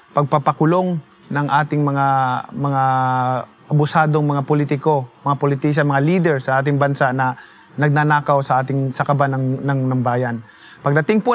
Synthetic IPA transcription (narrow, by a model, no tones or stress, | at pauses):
pɐɡ̚papɐkʊloŋ | nɐŋʔaːt̪ɪŋmɐŋamɐŋa | ʔɐbʊsaːd̪oŋmɐŋapʊlit̪ɪko̞mɐŋapʊlɪt̪is̬ɐmɐŋaliːd̪ɛɹsɐʔaːt̪ɪŋbɐnsaʔnɐ | nɐɡ̚nanaːkawsɐʔaːt̪ɪŋsɐkɐbanɐŋnɐŋnɐŋbaːjan | pɐɡ̚d̪ɐt̪ɪŋpo